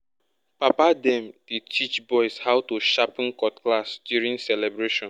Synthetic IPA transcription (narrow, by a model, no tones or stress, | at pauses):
papadɛ̃mditit͡ʃbɔɪshawtuʃapĩnkɔtklasdjuɹĩŋsɛlɛbɹeʃɔ̃n